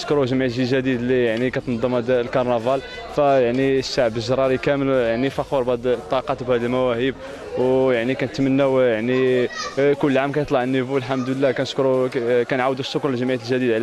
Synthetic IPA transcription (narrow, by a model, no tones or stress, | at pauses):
əʃkɾuʒəmʕit̪ʒiʒæd̪id̪lijaʕnikæt̪nd̪ˤːəmæd̪lkɑɾˤnɑvɑl | fæjaʕnisːaʕbəʒɾˤɑɾˤikæməljaʕnifɑxuɾˤbæd̪t̪ˤːɑqɑt̪bhæd̪əlmæwæhəb | wjaʕnikænt̪mənːæwjaʕni | kʊlːʕamkæjət̪ˤlɑʕənːivulħamd̪əlːækænəʃkɾukænʕawd̪usːʊknlʒəmʕit̪əlʒæd̪id̪ʕlæ